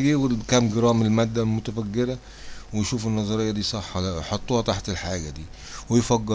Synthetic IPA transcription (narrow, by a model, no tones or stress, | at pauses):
ɡiːwɪkæmɡɪɾɑːmɪlmæd̪ːælmʊt̪æfæɡːɪɾæ | wɪjʃuːfɪnːɑzˤɑɾejːɑd̪iːsˤɑħːɑlæʔjħot̪ˤːuːhɑt̪aħt̪elħaːɡæd̪iː | wɪjfæɡːɑ